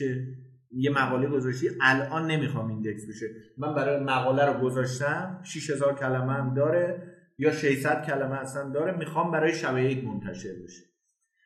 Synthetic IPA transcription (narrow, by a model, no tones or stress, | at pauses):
e | jemæɣɒːle̞ɡo̞zɒʃt̪iːʔælʔɒːnːe̞mixɒːmind̪eksbeʃemænbæɾɒːjemæɣɒːlæɾoɡozɒːʃt̪æmʃiʃhe̞zɒːɾcʰælæmeæmd̪ɒːɾe | jɒːʃe̞jsæd̪̥̚cʰælæmeæsænd̪ɒːɾemiːxɒːmbæɾɒːjeʃæbæet̪mont̪ʰæʃe̞ɾbe̞ʃe̥